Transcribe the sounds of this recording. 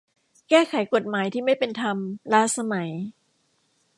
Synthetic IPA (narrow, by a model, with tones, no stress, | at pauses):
kɛː˥˩kʰa˨˩˦jko˨˩t̪̚maː˩˦jt̪ʰiː˥˩ma˥˩jpe˧nt̪ʰa˧mlaː˦˥sa˧ma˩˦j